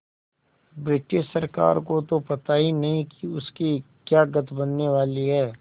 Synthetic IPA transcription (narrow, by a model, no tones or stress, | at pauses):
bɾɪʈɪʃsɐɾka̰ːɾkot̪opɐt̪aːinɐɦĩkiʊski | kjaːɡɐt̪bɐnːeʋaːliɦɛː